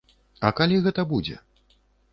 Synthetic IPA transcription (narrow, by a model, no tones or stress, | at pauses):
ɐkalʲiɣɛt̪ɐbud͡zʲɛ̰